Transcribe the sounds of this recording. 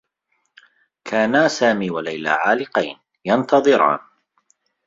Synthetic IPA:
kʰaːnaːsaːmiːwalajla̰ːʕaːlɪqɑjn | jɑnt̪ɑðˤɨɾɑ̰ːn

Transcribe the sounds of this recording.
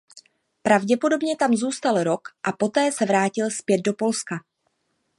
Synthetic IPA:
pɾavɟɛpo̞do̞bɲɛt̪amzuːst̪alɾo̞kʔapo̞t̪ɛːsɛvɾaːcɪlspjɛd̪̚do̞po̞lska

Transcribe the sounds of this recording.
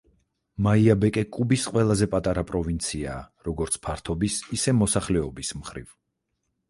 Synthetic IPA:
maiabɛkʼɛkʼubisqʼwɛlˠazɛpʼat̪ʼaɾapʼɾɔvint̪sʰiaːɾɔɡɔɾt̪sʰpʰaɾt̪ʰɔbisisɛmɔsaχlɛɔbismχɾḭv

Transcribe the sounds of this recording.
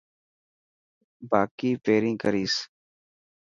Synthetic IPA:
baːkiːpeːɾĩːkəɾiːs

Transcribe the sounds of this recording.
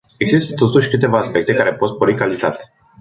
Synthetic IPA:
e̞ɡzist̪ət̪o̞t̪uʃʲkɨt̪e̞vaːspe̞k̚t̪e̞kaɾe̞pot̪spoɾikalit̪at̪e

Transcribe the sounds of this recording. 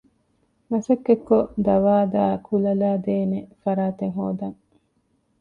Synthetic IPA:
mɐsɐkːekːod̪ɐʋaːd̪aːkʰulɐlaːd̪eːnefɐɾaːt̪eŋɦoːd̪ɐŋ

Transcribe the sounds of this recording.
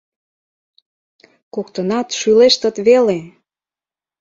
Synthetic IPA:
kokt̪ənɑt̪ʃyleʃt̪ə̆t̪βele

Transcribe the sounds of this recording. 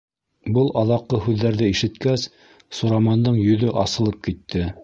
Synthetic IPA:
bɤlˠɑðɑqːɤhʉðːæɾðɘiʃɘ̆t̪kæs | suɾɑmɑnd̪ɤɴjɵ̆ðɵʔɑsɤ̆lˠɤp̚kit̪ːɘ

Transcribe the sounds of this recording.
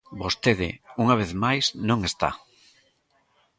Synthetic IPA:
bost̪eðɪ̰uŋaβ̞eθmajsnõŋest̪a̰

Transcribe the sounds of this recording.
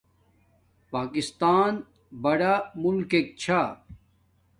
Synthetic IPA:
paːkist̪aːn | bɐɽamulkek̚t͡ɕʰa

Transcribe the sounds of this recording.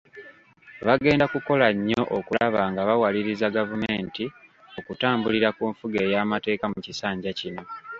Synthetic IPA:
βaɡe̞ːndakuko̞laɲːo̞ʔokulaβaːŋɡaβawaliɾizaɡavume̞ːnti | o̞kutaːmbuliɾakuɱfuɡe̞ːjaːmate̞ːkamucisaːɲɟacino̞

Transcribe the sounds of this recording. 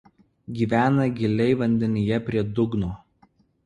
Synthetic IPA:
ɡʲiːʋʲæːnɐɡʲɪlʲɛɪʋɐnʲd̪ʲɛnʲɪjɛpʲɾʲiɛd̪ʊɡnoː

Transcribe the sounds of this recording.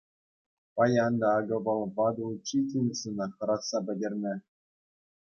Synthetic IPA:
pɑjɑnd̪ɑːɡɤ̆vɤ̆lˠvɑd̪ut͡ɕit̪ʲinʲsɯnɑxɤ̆ɾɑt̪sɑbɘ̆dʲerʲnʲɘ̆

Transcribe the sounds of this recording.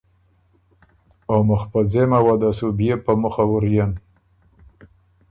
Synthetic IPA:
oməxpad͡zemawad̪asubjepəməxawəɾjan

